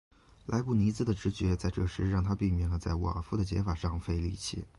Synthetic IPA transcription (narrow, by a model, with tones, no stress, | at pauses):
la˧˥ɪpu˥˩ni˧˥t͡sɹ̩˥˩d̪ə˩ʈ͡ʂɻ̩˧˥t͡ɕɥɛ˧˥t͡sa˥˧ɪʈ͡ʂɤ˥˩ʂɻ̩˧˥ɻɑ˥˩ŋt̪ʰa˥pi˥˩mɛ˨˩ŋlə˧˦t͡sa˥˩ɪwɔ̰˨ə˩fu˥˩d̪ə˩t͡ɕjɛ̰˧˥fa˨˩ʂɑ˥˩ŋfe˥˧ɪlḭ˥˧˩t͡ɕʰɛ̰˨˩˦